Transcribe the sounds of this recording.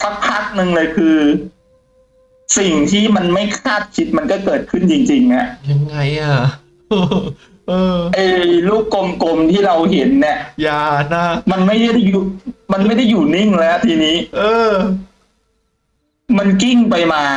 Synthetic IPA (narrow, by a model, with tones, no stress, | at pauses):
sa˦˥k̚pʰa˦˥˩k̚nɯ˧ŋlɤː˧jkʰɯː˧ | si˨˩ŋt̪ʰiː˥˩ma˧nma˥˩jkʰaː˥˩t̪̚kʰi˦˥t̪̚ma˧nkɔː˥˩kɤː˨˩t̪̚kʰɯ˥˩nt͡ɕi˧ŋt͡ɕi˧ŋʔa˨˩ʔja˧ŋːa˧jʔaː˨˩˧ | ʔɤː˧ʔa˧jluː˥˩kːo˧mko˧mt̪ʰiː˥˩ɾa˧wɦe˩˦nːi˥˩jaː˧na˦˥ma˧nma˥˩jda˥˩jda˥˩juː˨˩ma˧nma˥˩jda˥˩jːuː˨˩ni˥˩ŋlɛ˦˥a˧˩t̪ʰiː˧niː˦˥ʔɤː˧ | ma˧nki˥˩ŋpa˧jmaː˧